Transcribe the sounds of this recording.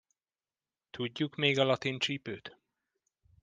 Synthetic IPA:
t̪ʰuɟːukmeːɡɒlɒt̪int͡ʃiːpøːt̪

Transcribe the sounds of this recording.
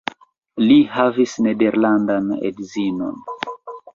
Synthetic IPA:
lihavisnede̞ɾlandanḛdzino̞̰n

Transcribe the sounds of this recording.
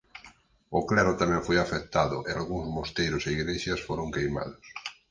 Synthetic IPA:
oklɛɾot̪amɛ̃ɱfojafek̚t̪aðʊʔealɣuŋzmost̪ejɾoseiɣɾeʃjasfoɾõŋkejma̰ðʊs

